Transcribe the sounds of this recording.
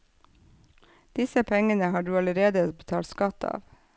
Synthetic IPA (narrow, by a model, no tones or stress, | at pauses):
d̪̥ɪsəpʰɛŋənəhɑːɖʉːɑləɾeːd̪əbət̪ʰɑːlt̪skɑt̪ɑ̰ːʋ